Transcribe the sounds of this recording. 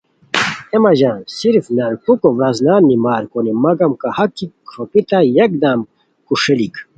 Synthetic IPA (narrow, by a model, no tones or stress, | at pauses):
emɐʑaːnsiɾfnɐɾkukoʋɾaznaːnːimaːɾkonimɐɡɐmkahɐkːikʂopit̪ajɐk̚d̪aːm | kuʂelik